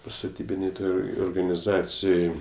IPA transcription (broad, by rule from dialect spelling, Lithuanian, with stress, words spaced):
stɐˈtʲiːbʲɪnʲeːj ˈtoːj oːrɡɐnʲɪˈzɑːt͡sʲɪjoːj